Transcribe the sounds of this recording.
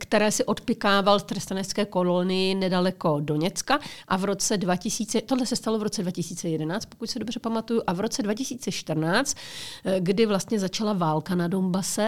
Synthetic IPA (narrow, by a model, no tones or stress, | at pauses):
kt̪ɛɾɛːsɪʔo̞t̪pɪkaːvalft̪rɛst̪anɛt͡skɛːko̞lonɪjɪnɛdalɛko̞do̞ɲɛt͡skaʔavɾo̞t͡sɛdvacɪsiːt͡sɛt̪odlɛsɛst̪alo̞vɾo̞t͡sɛdvacɪsiːt͡sɛjɛdɛnaːt͡st̪pokucʲsɪdo̞br̝ɛpamat̪ujuʔavɾo̞t͡sɛdvacɪsiːt͡sɛʃt̪r̩naːt͡st̪ɡdɪvlast̪ɲɛzat͡ʃalavaːlkanado̞mbasɛ